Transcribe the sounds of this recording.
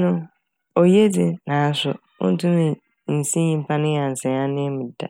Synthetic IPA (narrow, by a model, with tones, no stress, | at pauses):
nʊ̃˦ | o˨je˦dɪ˨nãː˨n̩˦sʊ˨ | ʊ̰˦n̩˦tʰʊ̃˦nɪ̃˨ | n̩˨sĩ˦ɲĩ˦m̩˦pʰa˦nʊ̃˦˨a˨n̩˨sɛ̃˨a˦nɪ̃˦mʊ̃˨da̰˨